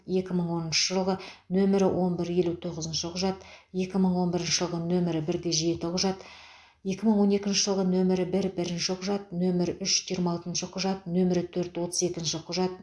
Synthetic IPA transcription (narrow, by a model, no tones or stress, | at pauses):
je̞kʲɪməɴwo̞nənʃəʒəlˠʁənɵmɪɾɪwʔo̞nbɪɾje̞lut̪ʰoʁəzənʃɪqʰʊʒɑt̪je̞kʲɪməɴwo̞nbɪɾɪnʃɪʒəlˠʁənɵmɪɾɪbɪɾɡʲe̞ʒe̞t̪ɪqʰʊʒɑt̪ | je̞kʲɪməɴwo̞ne̞kʲɪnʃɪʒəlˠʁənɵmɪɾɪbɪɾbɪɾɪnʃɪqʰʊʒɑt̪̚nɵmɪɾʏʃʒijɾmɑɑlˠt̪ənʃɪqʰʊʒɑt̪̚nɵmɪɾɪt̪ʰɵɾt̪wo̞t̪əze̞kʲɪnʃɪqʰʊʒɑt̪̚